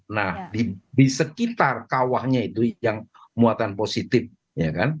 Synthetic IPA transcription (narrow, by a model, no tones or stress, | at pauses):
nahdidisəkit̪arkawahɲait̪ujaŋmuat̪anposit̪ɪf̚ | jakan